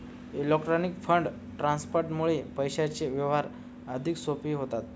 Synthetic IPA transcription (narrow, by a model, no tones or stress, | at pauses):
elɔkʈɾanikfəɳɖ | ʈɾanspoɾʈmuɭepəjɕat͡ɕeʋjəʋɦaɾ | əd̪ʱiksopiɦot̪at̪